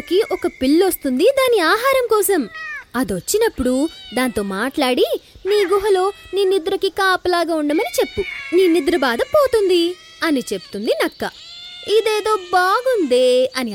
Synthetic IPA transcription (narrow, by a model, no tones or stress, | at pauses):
kiʔɔkɐpilːost̪und̪id̪aːniaːɦaːɾɐmkɔːsɐmɐd̪ot͡ʃːinɐpːuɽud̪aːnt̪o̞ːmaːʈlaːɽiniːɡuɦɐlo̞ːniːnid̪ɾɐkikaːpɐlaːɡaːuɳɖɐmɐnit͡ʃe̞pːuniːnid̪ɾɐbaːd̪ɐpoːt̪und̪i | ɐnit͡ʃe̞pu̥t̪und̪inɐkːɐ | id̪eːd̪o̞ːbaːɡund̪eːɐni